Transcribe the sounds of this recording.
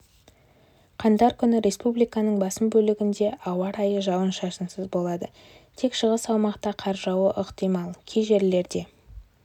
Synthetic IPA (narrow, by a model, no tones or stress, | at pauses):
qʰɑnd̪ɑɾkʲʰʏnɪɾʲe̞spublijkɑnəɴbɑsəmbɵlɪɡʲɪnd̪e̞ʔɑwɑɾɑjəʒɑwənʃɑsənsəzbo̞lˠɑd̪ə | t̪ʰe̞kʃəʁəsɑwmɑqt̪ɑqʰɑɾʒɑwəʔɪqt̪ijmɑlˠkʲʰejʒe̞ɾle̞ɾd̪e̞